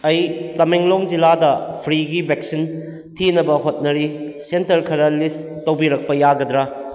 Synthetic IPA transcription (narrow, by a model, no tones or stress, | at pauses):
ɐjtɐmeŋloŋd͡ʒiladɐpʰɾiɡibʱeksin | tʰinɐbɐɦot̚nɐɾisentɐɾkʰɐɾɐlis | tɐwbiɾɐk̚pɐjaɡɐdɾa